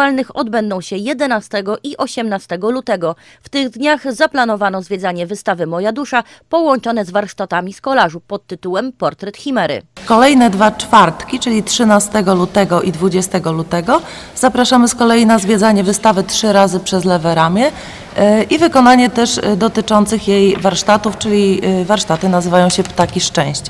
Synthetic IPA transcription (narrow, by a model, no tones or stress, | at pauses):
alnɘxɔd̪bɛnd̪ɔ̃w̃ɕɛjɛd̪ɛnast̪ɛɡɔʔiʔɔɕɛmnast̪ɛɡɔlut̪ɛɡɔ | ft̪ɘɣd̪ɲaɣzaplan̪ɔvanɔzvʲjɛd̪zaɲɛvɘst̪avɘmɔjad̪uʂa | pɔwɔɲt͡ʂɔnɛzvaɾʂt̪at̪amʲiskɔlaʐupɔt̪ːɘt̪uwɛmpɔɾt̪ɾɛt̪xʲimɛɾɘ̰kɔlɛjnɛd̪vat͡ʂfaɾt̪kʲit͡ʂɘlʲit̪ʂɘnast̪ɛɡɔlut̪ɛɡɔʔid̪vud͡ʑɛst̪ɛɡɔlut̪ɛɡɔ | z̥apɾaʂamɘskɔlɛjinazvʲjɛd̪zaɲɛvɘst̪avɘt̪ʂɘɾazɘpʂɛzlɛvɛɾamʲjɛ | ʔivɘkɔn̪aɲɛt̪ɛʂd̪ɔt̪ɘt͡ʂɔnt̪sɘxjejvaɾʂt̪at̪uft͡ʂɘlʲivaɾʂt̪at̪ɘnazɘvajɔ̃w̃ɕɛpt̪akʲiʂt͡ʂɛ̃w̃ɕt͡ɕɛ